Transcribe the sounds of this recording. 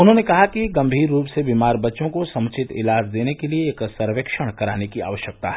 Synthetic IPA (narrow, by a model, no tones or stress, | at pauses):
ʊnɦõnekɐɦakiɡɐ̃mbʱiːɾːuːpsebiːmaːɾbɐtːʃõkosɐ̃mt͡ʃɪt̪ɪ̰laːd͡ʒd̪eːnekelieːksɐɾʋekʃəɽ̃kɐɾaːnekia̰ːʋəʃjək̚t̪a̰ɦɛ